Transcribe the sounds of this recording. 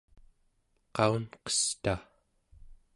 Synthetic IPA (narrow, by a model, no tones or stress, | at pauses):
qɑunqʌ̥st̪a